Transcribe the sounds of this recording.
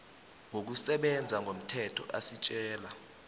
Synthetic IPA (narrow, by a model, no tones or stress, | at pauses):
ŋwʱok̬usɛɓɛnd͡zʱaŋɡʱom̩tʰɛtʰɔʔasit͡ʃʼɛːla